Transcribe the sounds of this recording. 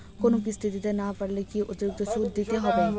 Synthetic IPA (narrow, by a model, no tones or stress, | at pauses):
konũːkist̪ʰɪt̪iːd̪eːnãːpəɽleːkiʔʊd̪jʊːɡ̚t̪osuːd̪̚d̪ɪt̪eɦoːbeː